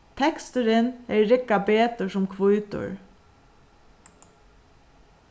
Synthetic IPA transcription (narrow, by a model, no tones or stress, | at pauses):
t̪ʰɛkst̪əɾɪnɛɹːɪkːabeːt̪əsʊmkʰʋʊjt̪ʊ̰ɹ